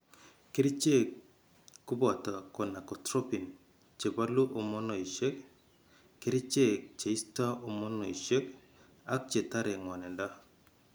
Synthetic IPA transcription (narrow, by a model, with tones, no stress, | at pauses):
ki˦ɾi˦t͡ʃe˦ | kːu˦bɔ˨ta˨kɔ˨na˨kɔ˨tɾo˦pi˨n | t͡ʃe˨ba˦lu˦ʔɔ˨mɔ˦nɔ˨i˨ʃe˦k | kːe˦ɾi˦t͡ʃe˦t͡ʃe˨i˦sta˦ɔ˨mɔ˦nɔ˨i˨ʃe˦k | a˦k̚t͡ʃe˨ta˦ɾɛ˨ŋwa˨nɛ˨nda˦